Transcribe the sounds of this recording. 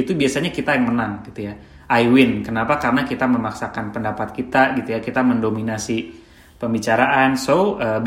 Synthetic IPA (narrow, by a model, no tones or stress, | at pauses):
it̪ubiasaɲakit̪ajaŋmənaŋɡit̪uja | ajwɪnkənapakaɾənakit̪aməmaksakanpəndapat̪̚kit̪aɡit̪ujakit̪aməndominasi | pəmbit͡ʃaɾaʔansoəb